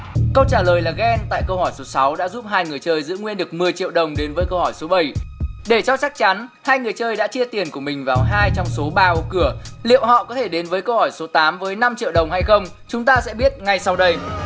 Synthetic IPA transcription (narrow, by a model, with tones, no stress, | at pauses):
kə˧wt͡ɕaː˧˩ləː˨˩jlaː˨˩ɣɛ˧nt̪a̰ː˧˨jkə˧whɔ˧˩jso˨˦sa˨˦wɗa̰ː˧˥zu˦˥p̚ɦaː˧jŋɨ˨˩əjt͡ɕəː˧jzɨ̰˧˥ŋwi˧ənɗɨ˨˩ək̚mɨ˨˩əjt͡ɕḭ˧˨wɗə˨˩wŋ͡mɗe˨˦nvəː˨˦jkə˧whɔ˧˩jso˨˦ɓa˧˩jɗe˧˩t͡ɕɔ˧t͡ɕa˦˥k̚t͡ɕa˨˦nhaː˧jŋɨ˨˩əjt͡ɕəː˧jɗa̰ː˧˥t͡ɕi˧ət̪i˨˩ənku˧˩əmï˨˩ŋ̟vaː˨˩wɦaː˧jt͡ɕɔ˧wŋ͡mso˨˦ɓaː˧o˨˦kɨ˧˩əlḭ˧˨əwɦɔ̰˧˨kɔ˨˦t̪ʰe˧˩ɗe˨˦nvəː˨˦jkə˧whɔ˧˩jso˨˦t̪aː˨˦mvəː˨˦jna˧mt͡ɕḭ˧˨əwɗə˨˩wŋ͡mha˧jxə˧wŋ͡m | t͡ɕʊ˨˦ŋ͡mt̪aː˧sɛ̰˧˥ɓi˦˥ət̚ŋa˨˧˩jsa˧wɗə˧j